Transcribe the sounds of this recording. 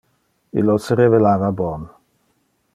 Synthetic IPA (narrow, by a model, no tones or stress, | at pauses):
ḭlːoseɾevelaːvabɔn